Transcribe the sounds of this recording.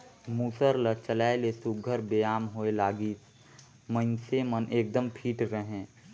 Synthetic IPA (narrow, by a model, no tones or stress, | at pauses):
muːsəɾlət͡ʃəlaːelesʊɡʱəɾbeːaːmɦoelaːɡiːs | mə̃nsemənʔeːk̚d̪əmpʰiːʈɾəɦẽː